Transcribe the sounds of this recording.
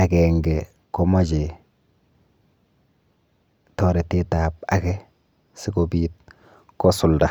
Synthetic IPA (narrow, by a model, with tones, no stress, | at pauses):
a˨kɛ˨ŋɡɛ | kɔ˦ma˦d͡ʒe˨ | tɔ˨ɾɛ˨te˦ta˨p̚a̰kɛ | sɪ˦kɔbiːt̚ | kɔ˦sʊ˨lda˨